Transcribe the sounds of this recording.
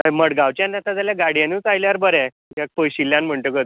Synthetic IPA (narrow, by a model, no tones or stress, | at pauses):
məɽɡaʋt͡ɕjanat̪ãd͡zaljaɡaɽjãniːt͡sajljaɾbəɾɛ | jak̚pəjɕilːjãnm̤əɳʈəkət̪